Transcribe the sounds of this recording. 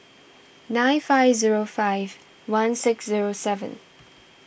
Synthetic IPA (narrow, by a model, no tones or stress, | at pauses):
nãɪ̃nfaɪvziɹofaɪv | wãnsɪksziɹosɛvə̰̃n